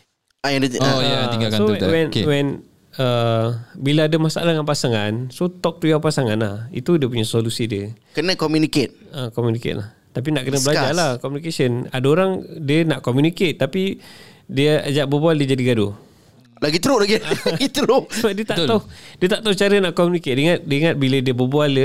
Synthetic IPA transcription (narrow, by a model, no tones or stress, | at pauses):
ajaiajaiakasoɛwɛnwɛn | ə | bilaadəmasaʔa̰laŋanpasaŋansot̪ɔk̚t̪ujawpasaŋanla̰hḭt̪udiəpuɲasolusidiəkənəkomjuniket̪̚əkomjunikḛt̪̚lah | t̪ap̬inaʔkənəbəlad͡ʒalahkɔmunikesəna̰daoɾaŋdiənaʔkomjuniket̪ːapidiəd͡ʒaʔbəbualdiəd͡ʒadiɡado | laɡit̪əɾoʔlaɡiaɡit̪əɾosbadiət̪aʔ̪adiət̪aʔt̪aut͡ʃaɾənaʔkomjuniket̪̚diŋat̪̚dəiŋat̪̚bilədiəbəbualə